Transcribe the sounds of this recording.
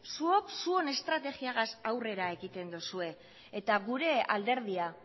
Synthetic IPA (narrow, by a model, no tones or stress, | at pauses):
suo̞ksuo̞ne̞st̪ɾat̪e̞ɣiaɣasawre̞ɾae̞ɣit̪e̞nd̪usue̞ː | t̪aɣuɾe̞a̰ld̪e̞ɾð̞ia